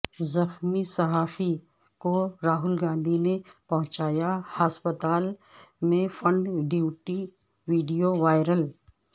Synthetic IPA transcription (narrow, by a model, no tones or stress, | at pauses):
zɐxmisɐɦaːfi | koɾaːɦʊlɡãːnd̪ʱinepɐɦʊ̃t͡ʃaːjahaspət̪aːlmẽfɐ̃ɳɖɖjuːʈi | ʋiːɖijoʋaːɪɾəl